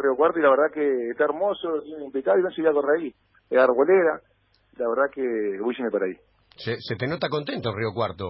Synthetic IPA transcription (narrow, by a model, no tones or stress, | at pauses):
riokwaɾt̪oilaβeɾðakeːht̪aeɾmosot̪inimplikaðiβensiβiakoreai | eaɾoleɾa | ilaβeɾðakeβuʃimepaɾai | seset̪enot̪akont̪ent̪oriokwaɾt̪o